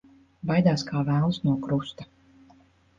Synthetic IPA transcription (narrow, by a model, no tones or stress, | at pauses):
bajd̪aːskʰaːvæːlˠsnuɔkɾust̪a